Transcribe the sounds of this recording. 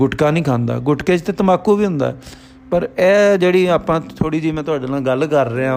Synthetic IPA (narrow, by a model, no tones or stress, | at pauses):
ɡʊʈkaːnĩːkʰãːnd̪a̰ːɡʊʈkeːd͡ʒt̪eːt̪əmaːkuːʋiːɦʊ̃nd̪a̰ːɛ | pəɾɛːd͡ʒeːɽiːaːpãːt̪ʰoːɽiːd͡ʒiːmɛ̃ːt̪ʊaːɖeːnaːɡəlkəɾːeːãː